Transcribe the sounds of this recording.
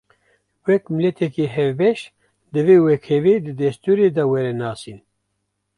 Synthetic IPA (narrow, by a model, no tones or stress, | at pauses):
wɛkmɨlɛt̪ʰɛkiɦɛvbɛʃ | d̪ɨveːwɛkʰɛveːd̪ɨd̪ɛst̪uːɾeːd̪awɛɾɛnɑːsin